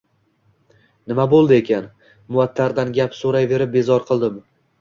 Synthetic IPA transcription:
nɪmabolˠd̪ɪe̞kʲʰan | mʊat̪ʰːaɾd̪anɡʲapsoɾajve̞ɾɪp̚be̞zɒɾqʰɨlˠd̪ɪm

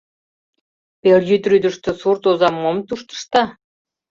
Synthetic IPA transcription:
perjyt̪ryd̪ə̆ʃt̪ø̆surt̪ozɑmːomt̪uʃt̪ə̥ʃt̪ɑ

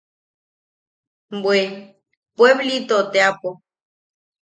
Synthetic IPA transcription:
bwe | pweβlit̪ot̪eapo

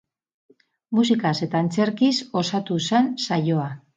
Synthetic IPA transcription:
musikase̞t̪aːnt͡se̞ɾkiso̞sat̪use̞nsajo̞a

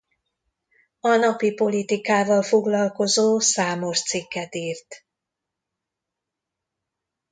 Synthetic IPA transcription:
ɒnɒpipo̞lit̪ikaːvɒlfo̞ɡlɒlko̞zoːsaːmo̞ʃt̪sikːɛt̪iːrt̪

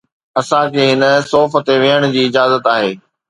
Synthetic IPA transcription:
ɐsãkʰeːɦɪnəsɔːfə̆t̪eʋijəɽ̃d͡ʑiːɪd͡ʑaːzət̪aːɦeː

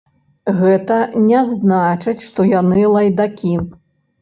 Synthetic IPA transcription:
ɣɛt̪ɐnʲɛznat͡ʂɨt͡sʲʂt̪ɔjanɨlˠɐjd̪akʲi

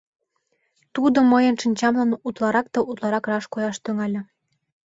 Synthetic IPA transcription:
t̪ud̪omɤjənʃinʲt͡ɕɑmlɑnut̪lˠɑɾɑk̚t̪ɤut̪lˠɑɾɑkrɑʃkojɑʃt̪yŋɑlʲɤ̆

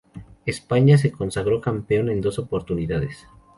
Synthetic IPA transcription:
e̞spaɲas̬e̞ko̞nsaɣɾo̞kampeo̞ne̞nd̪o̞so̞po̞ɾt̪uniðaðes

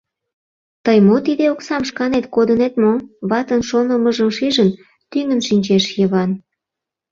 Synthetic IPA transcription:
t̪əjmot̪id̪eoksɑmʃkɑnet̪kod̪ənet̪moβɑt̪ənʃonəməʒəmʃiʒən | t̪yŋənʃinʲt͡ɕeʃjəβɑn

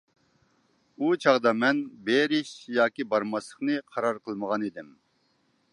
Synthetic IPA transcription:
ut͡ʃʰɑʁd̪ɑmɛnbeɾɪʃjɑːkʲibɑɾmɑsˠəχnɨqʰɑɾɑɾqʰəlˠməʁɑnid̪ɪm

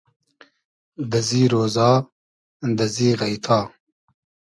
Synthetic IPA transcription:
d̪ɐziːɾoːzɑː | nd̪ɐziːɣɐjt̪ʰɑː

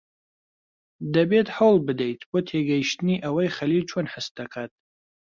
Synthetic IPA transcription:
d̪ɐbet̪ħɐwlˠbɨd̪ejt̪ʰboːt̪ʰeɡɐjiʃt̪ɨniʔɐwɐjχɐlilt͡ʃʰonħəst̪̚d̪ɐkʰat̪̚

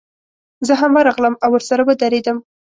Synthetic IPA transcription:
zəɦamwaɾaɣləmawːəɾsaɾabad̪aɾed̪əm

